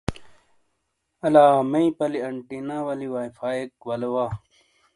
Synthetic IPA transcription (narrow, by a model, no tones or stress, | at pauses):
ɐlaːmɐĩpɐliɐɳʈinaːwɐliwaːifaːekwɐlowaː